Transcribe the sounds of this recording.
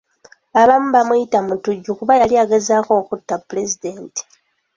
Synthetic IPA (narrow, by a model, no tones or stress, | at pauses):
aβamubamujitamutuɟukuβajaliaɡezaːko̞ːkutːapːule̞zideːnti̥